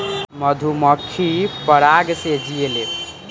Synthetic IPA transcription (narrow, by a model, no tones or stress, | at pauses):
məd̪ʱuməkʰːipəɾaɡsed͡ʒiele